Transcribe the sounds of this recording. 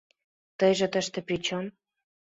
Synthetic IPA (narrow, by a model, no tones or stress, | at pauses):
t̪əjʒĕt̪ə̆ʃt̪ĕpɾit͡ɕom